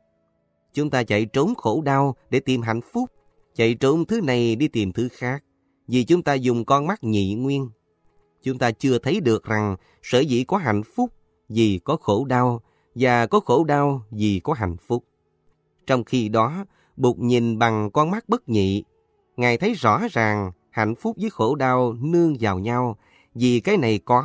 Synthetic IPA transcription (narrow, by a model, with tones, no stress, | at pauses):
t͡ɕʊ˨˦ŋ͡mt̪aː˧t͡ɕa̰˧˨jt͡ɕo˨˦mxo˧˩ɗaː˧wɗe˧˩t̪i˨˩mɦa̰˧˨jŋfʊ˦˥k͡p̚ | t͡ɕa̰˧˨jt͡ɕo˨˦mt̪ʰɨ˨˦na˨˩jɗi˧t̪i˨˩mt̪ʰɨ˨˦xaː˦˥k̚ | vi˨˩t͡ɕʊ˨˦ŋ͡mt̪aː˧zʊ˨˩ŋ͡mkɔ˧nma˦˥k̚ɲḭ˧˨ŋwi˧ən | t͡ɕʊ˨˦ŋ͡mt̪aː˧t͡ɕɨ˧ət̪ʰə˨˦jɗɨ˨˩ək̚za˨˩ŋ | səː˧˩zḭ˧˥˨kɔ˨˦ɦa̰˧˨jŋ̟fʊ˦˥k͡p̚ | zi˨˩kɔ˨˦xo˧˩ɗaː˧w | vaː˨˩kɔ˨˦xo˧˩ɗaː˧wzi˨˩kɔ˨˦ɦa̰˨˧˨jŋ̟fʊ˦˥k͡p̚ | t͡ɕɔ˧wŋ͡mxi˧ɗɔ˨˦ | ɓu˨˩k͡p̚ɲi˨˩nɓa˨˩ŋkɔ˧nma˦˥k̚ɓə˦˥k̚ɲḭ˧˨ | ŋaː˨˩jt̪ʰə˨˦jzɔ̰˧˥zaː˨˩ŋ | ha̰˧˨jŋ̟fʊ˦˥k͡p̚zəː˨˦jxo˧˩ɗaː˧wnɨ˧əŋzaː˨˩wɲa˧w | zi˨˩kaː˨˦jna˨˩jkɔ˨˦